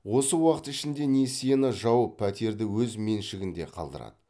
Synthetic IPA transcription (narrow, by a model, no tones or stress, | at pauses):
wo̞səwɑqət̪ɪʃɪnd̪e̞ne̞sijenəʒɑwəpʰːæt̪e̞ɾd̪ɪwɵzme̞nʃɪɡʲɪnd̪e̞qʰɑ̰lˠd̪ə̰ɾɑ̰d̪ə